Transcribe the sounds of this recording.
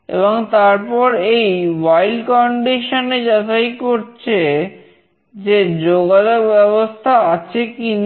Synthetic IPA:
ḛβoŋt̪aɾpɔɾejwajlkɔɳɖiʃoned͡ʑat̪ajkoɾt͡ɕʰe | d͡ʑed͡ʑoɡad͡ʑok̚bɛβost̪ʰaat͡ɕʰekin

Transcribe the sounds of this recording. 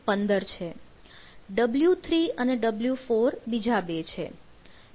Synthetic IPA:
pənd̪əɾt͡ʃʰe | ɖəbljut̪ʰɾiəneɖəbljufoɾbid͡ʒabet͡ʃʰḛ

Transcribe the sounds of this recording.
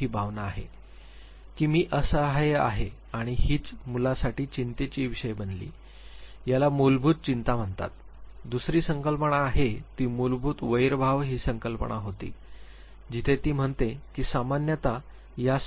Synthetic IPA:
ɦiːbʱaʋnaːɦḛ | kiːmiːʔəsəɦa̰ɦe | aɽ̃ihiːt͡smulasaʈiːt͡ɕint̪et͡ɕiʋiɕəjbənlḭː | jalamulbʱuːt̪̚t͡ɕint̪am̤əɳt̪a̰t̪ | d̪usɾiːsəŋkəlpəɳaːɦet̪iːmulbʱuːt̪ʋəjɾbʱaʋɦiːsəŋkəlpəɳʔa̰ɦot̪ḭː | d͡ʑit̪ʰet̪iːm̤əɳt̪ekiːsamanjət̪a | jas

